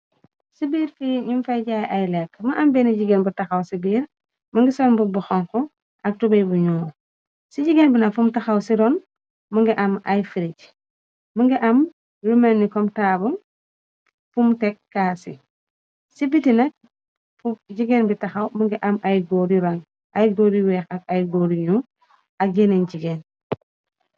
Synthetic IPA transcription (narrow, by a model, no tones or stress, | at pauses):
sibiːɾfiɲumfɐjɟaːjʔajlɛkːmɐʔɐmbɛniɟiɡenbutɐxawsibiːɾ | mɐŋɡisɔnbubuxɔŋkɔ | ʔɐk̚tubɐjbuɲuŋ | siɟiɡenbinɐkfumtɐxawsiɾɔn | mɐŋɡiʔɐmajfiɾic | muŋɡiʔɐm | ɾumanːikɔmtabun | fumtɛkːaːsḭ | sibitinɐk̚ | fuɟiɡenbitaxawmuŋɡiʔamʔajɡoɾiɾaŋ | ʔajɡoɾiwɛxak̚ajɡoɾiɲu | ak̚ɡenenɟiɡen